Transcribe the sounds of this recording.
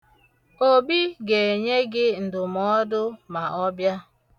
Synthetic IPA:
o˦bi˦ɡe˨ɲe˦ɡɪ˦n̩˨dʊ˨mɔ˦dʊ˦ma˨ʔɔ˦bja˦

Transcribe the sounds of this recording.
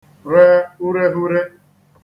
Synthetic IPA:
ɾe˦u˦ɾe˦ɦu˦ɾe˦

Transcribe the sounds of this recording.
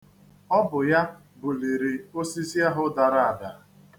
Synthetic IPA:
ɔ˦bʊ˨ja˦ | bʊ˨li˨ɾi˨o˦si˦zi˦a˦ɦʊ˦da˨ɾa˦a˨da˨˦˨

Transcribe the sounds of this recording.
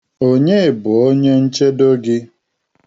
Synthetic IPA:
o˦ɲe˦˨bʊ˨o˦ɲe˦n̩˦t͡ʃe˦do˦ɡɪ˦

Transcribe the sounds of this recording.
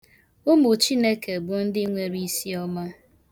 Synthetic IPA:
ʊ˦mʊ˨t͡ʃi˦ne˦ke˨bʊ˨n̩˦dɪ˦ŋʷe˦ɾi˦si˦ɔ˦ma˦

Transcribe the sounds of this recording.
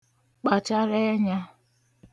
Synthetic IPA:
k͡pa˨t͡ʃa˦ɾe˦ɲa˦

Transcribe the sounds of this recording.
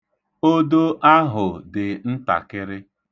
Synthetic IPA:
o˦do˦ʔa˦ɦʊ˨dɪ˨n̩˦ta̰˨kɪ˦ɾɪ˦

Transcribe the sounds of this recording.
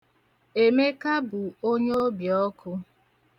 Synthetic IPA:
e˨me˦ka˦bʊ˨o˦ɲ˦o˦bjɔ˦kʰʊ˦

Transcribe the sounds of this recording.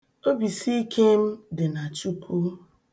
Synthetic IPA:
o˦bi˨si˦i˦kʰe˦m̩˦dɪ˨na˨t͡ʃu˦kʰu˦

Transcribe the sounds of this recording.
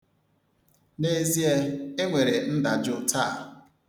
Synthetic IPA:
ne˦zi˦e˦e˦ŋʷe˨ɾe˨n̩˦da˨d͡ʒʊ˨ta˦˨

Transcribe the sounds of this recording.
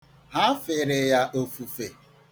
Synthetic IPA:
ɦa˦fe˨ɾe˨ja˦ʔo˦fu˨fe˨

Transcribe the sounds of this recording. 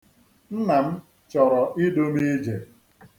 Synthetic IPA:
n̩˦na˨m̩˦ | t͡ʃɔ˨ɾɔ˨ʔi˦do˦mi˦d͡ʒe˨

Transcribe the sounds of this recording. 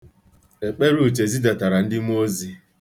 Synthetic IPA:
e˨k͡pe˦ɾu˦˨t͡ʃe˨zi˦da˨ta˨ɾa˨n̩˦dɪ˦m˦o˦zi˦

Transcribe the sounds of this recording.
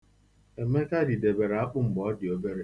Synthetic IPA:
e˨me˦ka˦di˨de˨be˨ɾa˦k͡pʊ˦m̩˨bɔ˨˦dɪ˨o˦be˦ɾe˦

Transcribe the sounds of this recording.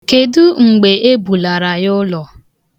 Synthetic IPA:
ke˨du˦ŋ͡m̩˨ɡ͡be˨ʔe˦bu˨la˨ɾa˨jʊ˦lɔ˨

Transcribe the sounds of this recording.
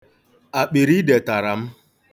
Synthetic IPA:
a˨k͡pi˨ɾi˦de˨ta˨ɾa˨m̩˦

